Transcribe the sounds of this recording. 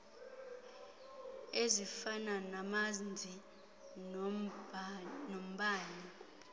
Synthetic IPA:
ezifananamand͡zʱi | nom̩ɓaːɲi

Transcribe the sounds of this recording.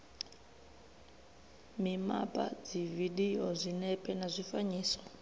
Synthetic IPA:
mima̰pʼa̰d͡zividiɦɔzʷinɛpʼɛnazʷifaɲiːsɔ̥

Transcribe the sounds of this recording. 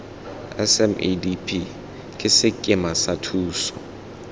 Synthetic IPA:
ɛ̰sɛmḛdipʰi | kʼɪsɪkʼɪmasatʰuːsɔ

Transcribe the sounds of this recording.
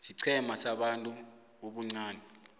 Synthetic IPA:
siǀʰɛmasaɓantʼu | uɓuŋ͡ǀaːnɛ

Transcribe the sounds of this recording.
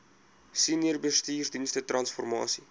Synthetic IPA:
siniərbəstiːrsdinstətrɐnsfɔrmɑ̰ːsi

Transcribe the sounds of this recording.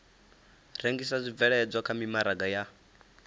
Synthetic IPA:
ɾeŋɡisazʷivɛɺɛd͡zʷakʰamimaɾaɡaja

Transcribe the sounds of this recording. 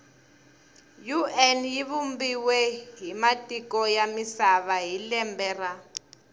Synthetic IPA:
juɛnjiβumbiwɛɦimatʼikɔjamisaβaɦilɛmbɛːra

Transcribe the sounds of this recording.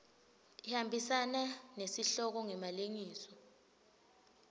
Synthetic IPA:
ihambʱisananesiɬɔk̬ɔŋɛmaleŋiːsɔ

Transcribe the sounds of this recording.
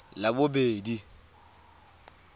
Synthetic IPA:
labʊbeːdi

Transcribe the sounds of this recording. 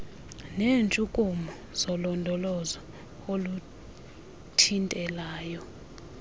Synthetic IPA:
nent͡ʃʼukʼumɔ | z̥ɔlɔndʱɔlɔzɔ | olu | tʰintʼɛlaːjɔ

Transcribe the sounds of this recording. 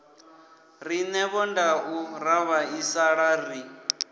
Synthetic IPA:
ɾinɛβɔndauɾaβaisaɺari

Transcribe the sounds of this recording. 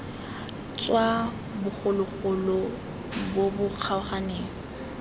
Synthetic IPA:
t͡swa | bʊχʊlʊχʊlɔ | bobʊq͡χʰaʊχaneːŋ̩

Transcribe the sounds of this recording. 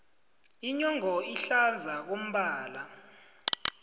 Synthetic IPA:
iɲɔŋɔiɬand͡zʱak̬om̩ɓaːla

